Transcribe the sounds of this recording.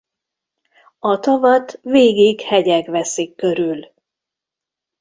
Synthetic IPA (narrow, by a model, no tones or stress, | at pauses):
ɒt̪ɒvɒt̪veːɡiːɡhɛɟɛɡʋɛsikːøɾyl